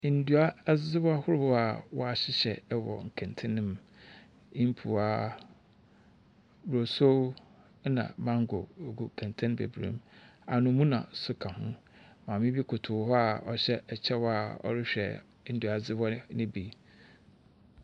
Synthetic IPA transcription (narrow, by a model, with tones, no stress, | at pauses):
n̩˦du˨˦a˦zd͡zɪ˦bɔ˦a˦hʊ˦ɾʊ˦bʊ˦a˨wɔ˦a˨ɕɪ˦ɕɛ˨˦wɔ̰˨ŋ̩˨kʰɛ̃˨ntʰɪ̃˦nɪ̃˦m | ĩ˦m˦pʰu˨aː˨˦ | wɾo˨so˦ | nã̰˨mã˦ŋ˦ɡʊ̰˨ɡu˨kʰã˨ntʰɪ̃˦n˦bḛ˨bɾḛ̃˦˨ma˨nʊ̃˨mũ˦nã̰˨sʊ˦kʰa˨hʊ̃˦ | mã˨mɪ̃˦bi˦kʰʊ˨tʰʊ˨˦ɦɔ˦a˨ɔ˨ɕɛ˦ɛ˨t͡ɕʰɛ˦wɔ˦a˨ɔ̰˦ɾɪ˦ɕᶣɛ̰˨˦ | n̩˨du˨a˨zɪ˦bɔ˦nɪ̃˦bi˨